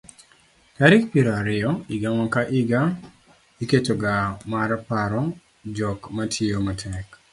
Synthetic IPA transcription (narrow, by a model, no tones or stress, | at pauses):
kaɾɪkpiɾaɾɪɔiɡamakaʔiɡa | iket͡ʃoɡamaɾapaɾɔ | d͡ʒɔkmatʰiomatʰɛk